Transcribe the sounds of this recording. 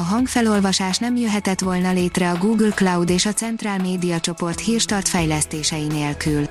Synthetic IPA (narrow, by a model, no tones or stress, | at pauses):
ɒɦɒŋkfɛlo̞lvɒʃaːʃnɛmjøɦɛt̪ɛt̪ʋo̞lnɒleːt̪rɛɒɡuːɡlklɒwd̪eːʃɒt̪sɛnt̪raːlmeːd̪ijɒt͡ʃo̞po̞rt̪hiːrʃt̪ɒrt̪fɛjlɛst̪eːʃɛjineːlkyl